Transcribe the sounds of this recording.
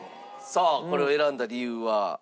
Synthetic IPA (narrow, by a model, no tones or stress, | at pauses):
soko̞ɾe̞oeɾãnd̪aɾʲiɯːβa